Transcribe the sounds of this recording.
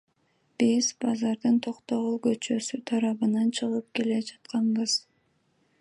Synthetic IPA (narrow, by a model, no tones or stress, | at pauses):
b̥izbɑzɑɾd̪ɯnt̪ʰo̞qt̪o̞ʁulˠɡø̞t͡ʃø̞syt̪ʰɑɾɑβɯnɑnt͡ʃʰɯʁɯp̚ke̞le̞d͡ʒɑt̪̚qɑnbɯz̥